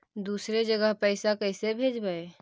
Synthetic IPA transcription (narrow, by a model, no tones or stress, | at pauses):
d̪usɾed͡ʒəɡəɦpəɪsakəɪsebʱed͡ʒbəe